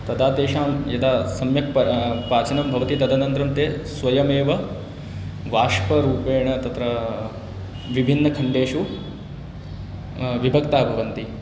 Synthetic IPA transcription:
t̪ɐd̪aːt̪eːʃaːmjɐd̪aːsɐmjɐk̚pɐpaːt͡ʃɐnɐmbʱɐʋɐt̪it̪ɐd̪ʱɐnɐnt̪ɾɐmt̪eːsʋɐjɐmeːʋɐ | ʋaːʂpɐɾuːpeːɳɐt̪ɐt̪ɾɐ | ʋibʱinːɐkʰɐɳɖeːʂu | ʋibʱɐkt̪aːbʱɐʋɐnt̪i

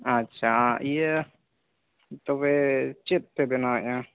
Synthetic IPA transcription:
atːt͡ʃʰaijə | t̪ɔβɛt͡ʃɛt̪̚pɛbɛnaʔã

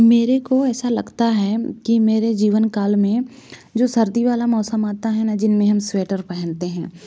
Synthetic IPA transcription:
meːɾekoɛːsalɐɡt̪aɦɛkimeːɾed͡ʒiːʋənkaːlmẽ | d͡ʒoːsɐɾd̪iʋaːlamɔːsəmaːt̪aɦɛnad͡ʒɪnmẽɦɐmsʋeːʈəɾpɛɦə̃nt̪eɦɛ̃ː

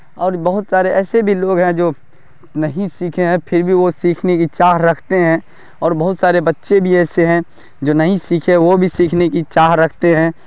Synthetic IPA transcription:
ɔːɾbɐɦʊt̪saːɾeʔɛːsebʱiloːɡɦɛ̃d͡ʒoː | nɐɦĩsiːkʰeɦɛ̃pʰɪɾbʱiʋosiːkʰnekit͡ʃaːɦɾɐkʰt̪eɦɛ̃ | ɔːɾbɐɦʊt̪saːɾebɐtːʃebʱiɛːseɦɛ̃ | d͡ʒoːnɐɦĩsiːkʰeʋobʱisiːkʰnekit͡ʃaːɦɾɐkʰt̪eɦɛ̃ː

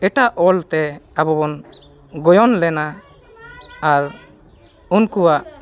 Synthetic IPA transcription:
ɛʈaʔɔlt̪ɛabɔbɔn | ɡɔjɔnlɛna | ɾ | unkuwaʔ

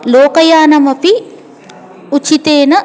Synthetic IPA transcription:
loːkɐjaːnɐmɐpi | ut͡ʃit̪eːnɐ

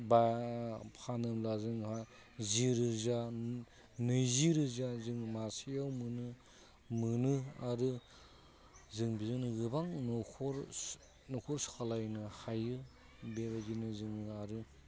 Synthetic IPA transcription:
ba | pʰanɯmlazɯŋha | ziɾɯza | nɯjziɾɯzazɯŋmasijawmɯnɯ | mɯnɯaɾɯ | zɯŋbizɯŋnɯɡɯbaŋnɔkʰɔɾ | nɔkʰɔɾsu̥kʰalajnɯhajɯ | bebazinɯzɯŋnɯaɾɯ

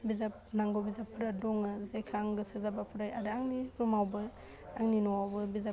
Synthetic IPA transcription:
bizap̚naŋɡobizapʰːuɾadɔŋɯzekʰaŋɡɯsɯzabapʰuɾajaɾɯaŋniɾumawbɯ | aŋninɔwawbɯbiza

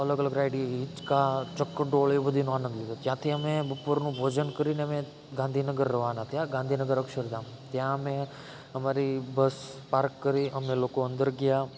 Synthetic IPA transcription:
ələɡələɡɾaɪɖiːt͡ʃkat͡ʃəkːəɖoːɭebəd̪ʱinũaːnə̃nd̪lɪd̪ot̪jãt̪ʰiəmẽbəpːəɾnũbʱoːd͡ʒənkəɾineəmẽ | ɡãnd̪ʱinəɡəɾːəʋanat̪jãɡãnd̪ʱinəɡəɾəkʃəɾd̪ãːm | t̪jãəmẽ | ɦəmaɾibəspaːɾkːəɾiəmẽloːkoə̃nd̪əɾɡja

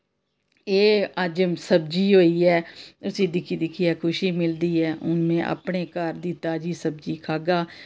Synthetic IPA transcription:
eːəd͡ʒsəbd͡ʒiːɦoːiːɛːʊsĩːd̪ɪkʰiːd̪ɪkʰiːɛːkʰʊʃiːmɪld̪iːɛːʊnmẽːʔə̰pɳeːkəɾd̪iːt̪aːd͡ʒiːsəb̚d͡ʒiːkʰaːɡaː

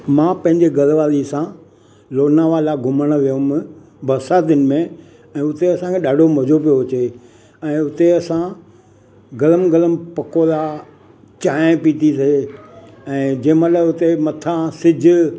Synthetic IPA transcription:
mãːpɐ̃ɦɪ̃ɲd͡ʑeɡɐɾʋaːɾisã | loːnaʋalaɡʱʊməɽ̃ʋijʊ̃m | bɐɾsaːt̪ɪnɪ̆mẽ | ɛ̃ːʊt̪eɐsãkʰẽɗaːɖʱomɐd͡ʑopijoʋt͡ɕe | ɛ̃ːʊt̪eɐsã | ɡɐləmɡɐləmpɐkola | t͡ɕãːpit̪ʰise | ɛ̃ːd͡ʑɐ̃ːmələʊt̪emɐt̪ʰãsɪd͡ʑʱʊ

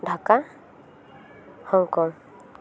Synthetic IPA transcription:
ɖʱaka | hɔŋkɔŋ

